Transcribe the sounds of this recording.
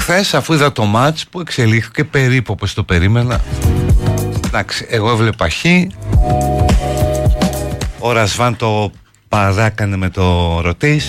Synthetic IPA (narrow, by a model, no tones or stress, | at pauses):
xθe̞sɐfuiðɐt̪o̞mɐt͡spue̞kse̞lixθice̞pe̞ɾipuopost̪o̞pe̞ɾime̞nɐ | d̪ɐksiʔeɣo̞evlepɐçi | oɾɐzvɐnt̪o̞ | pɐðɐkɐneme̞t̪o̞ɾo̞t̪is